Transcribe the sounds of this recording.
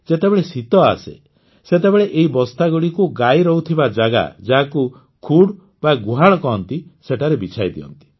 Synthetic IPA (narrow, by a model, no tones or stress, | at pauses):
d͡ʒet̪ebeɭesit̪ɔa̰sḛ | set̪̬ebeɭeʔeɦibɔst̪aɡɔɽikuɡajɾɔɦut̪ʰibad͡ʒaɡa̰d͡ʒaɦaku | kʰuɽ | baɡuɦaɭ̃ɔkɔɦɔnt̪iseʈʰaɾebit͡ʃʰajd̪ḭɔ̰nt̪i̥